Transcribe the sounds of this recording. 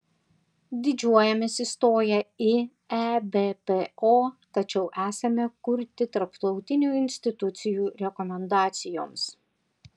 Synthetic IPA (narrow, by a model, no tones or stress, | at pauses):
d̪ʲɪd͡ʒʲuɔjɛmʲeːsɪst̪oːjɛɪ | æbʲepeoːt̪ɐt͡ʃʲɛʊʔæːsɐmʲɛkʊɾʲt̪ʲɪt̪ɐɾpt̪ɒʊt̪ʲɪnʲuːɪnʲsʲt̪ʲɪt̪ʊt̪sʲɪjuːɾʲɛkɔmʲɛnd̪ɑːt̪sʲɪjo̰ːms